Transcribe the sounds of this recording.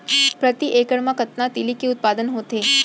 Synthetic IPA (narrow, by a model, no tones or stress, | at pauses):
pɾət̪iʔekəɽmãkət̪nat̪ilikiʊt̪̚pad̪ənɦot̪e